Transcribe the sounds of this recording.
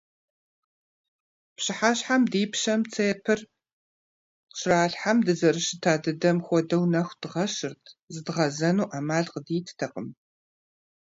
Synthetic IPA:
pɕɪħaːɕħamdiːpɕɐmt͡sʰejɛpʰɨr | qɕraːɬħamdɨzɐɾɨʃɪtʰaːdɨdɐmxʷɔdɐwnɐxʷd̥ɨʁɐʃɨrtʰzɨdʁɐzɐnuːʔaːmaːɮqədiːtʰtʰɐqʼəm

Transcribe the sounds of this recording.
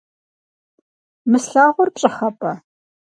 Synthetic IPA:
mɨsɬaːʁʷʊrpɕʼɪχɐpʼɐ

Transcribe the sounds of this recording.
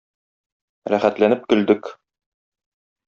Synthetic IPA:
ɾæχæt̪lænɘp̚kɵ̆ld̪ɘk

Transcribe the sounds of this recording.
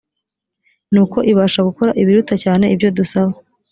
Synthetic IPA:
nuːko̞ʔiβaːʃaɡuko̞ɾa̰ʔiβiɾutacaːne̞ibjo̞dusaβa

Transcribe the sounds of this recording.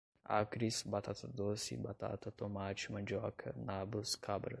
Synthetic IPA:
a̰kɾisbat̪ʰat̪ʰɐd̪osḭbat̪ʰa̰t̪ʰɐt̪ʰomaːt͡ʃmɐd͡ʒowakʰɐnaːbuskʰabɾ

